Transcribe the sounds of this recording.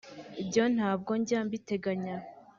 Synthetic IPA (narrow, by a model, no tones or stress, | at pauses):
ibɟo̞n̥haːb̚ɡo̞ɲɟaːmbite̞ɡaɲa